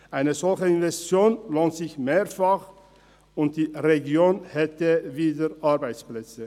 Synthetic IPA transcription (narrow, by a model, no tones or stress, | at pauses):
ʔaɪnəzɔlçəɪnvɛst͡sjoːnloːntz̥ɪçmeːfaχ | ʊnt̚d̥iːʁeɡjoːnhɛtəviːdəʔaɐbaɪt͡splɛt͡sə